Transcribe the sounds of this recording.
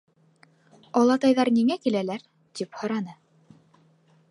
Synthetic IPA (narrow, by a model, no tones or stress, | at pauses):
ɑlˠɑt̪ɑjðɑɾniŋækilælæɾ | t̪iphɤ̆ɾɑnɤ